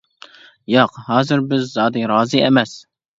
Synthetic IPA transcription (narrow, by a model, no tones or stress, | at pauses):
jɑqhɑːzɨɾbɪzːɑːd̪ɨɾɑːzɨemɛs